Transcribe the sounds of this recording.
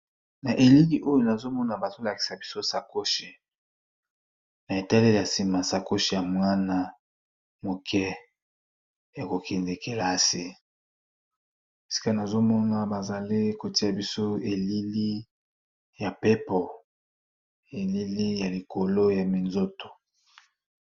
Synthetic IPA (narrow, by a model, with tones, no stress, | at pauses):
na˨ʔe˨li˦li˦ʔo˦jo˦na˨zo˦mɔ˦na˨ba˨zo˦la˨ki̥˨sa˨bi˦so˦sa˨ko˦ʃi˨ | na˨e˨ta˦li˦˨ja˨si˨ma˨sa˨ko˦ʃi˦˨ja˨mwa˦na˦ | mo˨kʰɛ˦ | ja˨ko˨ke˨nze˨ke˨la˨˦˨si˦ | si̥˦ka˦na˨zo˦mɔ˦na˦ba˨za˨li˦ko˨ti˦ja˨bi˦so˦e˨li˦li˦ | ja˨pe˦pɔ˨ | e˨li˦li˦ja˨li˨ko˨lo˦ja˨mi˨nzo˦to̥˨